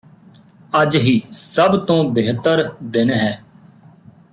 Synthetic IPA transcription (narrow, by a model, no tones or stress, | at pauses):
əd͡ʒɦiːsəbt̪õːbɪɦt̪əɾd̪ɪnɦɛː